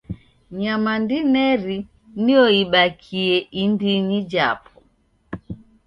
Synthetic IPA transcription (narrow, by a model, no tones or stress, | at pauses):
ɲamandinɛɾi | nijɔiɓakʰiɛʔindinid͡ʒa̰pʰɔ̥